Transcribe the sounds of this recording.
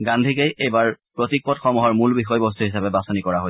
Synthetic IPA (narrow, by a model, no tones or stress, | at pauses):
ɡandʱikejejbaɹpɹotik̚pɔtxɔmɔɦɔɹmulbixɔjbɔs̬tʰuɦisapɛbasɔnikɔɹaɦo